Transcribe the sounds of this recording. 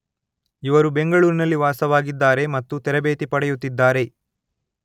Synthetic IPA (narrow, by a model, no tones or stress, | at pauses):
iʋɐɾube̞ŋɡɐɭuːɾinɐlːiʋaːsɐʋaːɡid̪ːaːɾe̞mɐt̪ːut̪ɛɾɐbeːt̪ipɐɽɛjut̪ːid̪ːaːɾe̞